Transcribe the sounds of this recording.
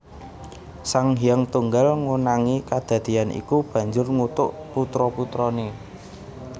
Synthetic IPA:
saŋɦijəŋt̪uŋɡalŋunaŋikad̪̥ä̤d̪̥ianḭkub̥ä̤ɲd͡ʒʊrŋut̪ʊʔput̪ɾɔput̪ɾɔne

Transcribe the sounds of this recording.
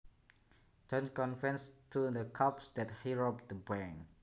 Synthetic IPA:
d͡ʒɔ̃nskɔ̃nfɛ̃nstʰudəkʰʌpsd̪ɛt̚hiɹop̚d̪əbɛ̃ŋ

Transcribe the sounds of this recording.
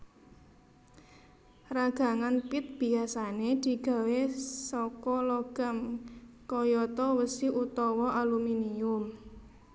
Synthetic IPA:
raɡ̥a̤ŋanpɪt̪̚b̥i̤asaned̪̥i̤ɡ̥a̤wesɔkɔlɔɡ̥a̤mkɔjɔt̪ɔwəsiʔut̪ɔwɔʔaluminiʊm

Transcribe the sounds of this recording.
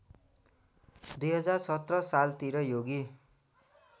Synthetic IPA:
d̪ujɦʌd͡zarsʌt̪rʌsalt̪iɾʌjoɡi

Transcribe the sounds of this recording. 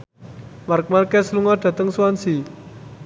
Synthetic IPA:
mark̚markɛsluŋɔɖ̪̥a̤t̪əŋsuansi

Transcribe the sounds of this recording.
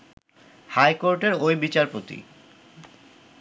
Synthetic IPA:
hajkoɾʈeɾojbit͡ɕaɾpot̪ḭ

